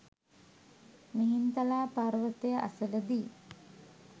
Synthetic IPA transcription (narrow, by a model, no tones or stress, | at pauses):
miɦint̪ɐlaːpaːɾʋət̪ejəʔa̰sələd̪iː